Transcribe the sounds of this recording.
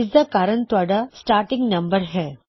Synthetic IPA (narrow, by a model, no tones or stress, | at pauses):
isd̪ɐkaːɾənt̪ʋaɖɐsʈaːɾʈɪ̃ŋɡnɐ̃mbəɾɦɛː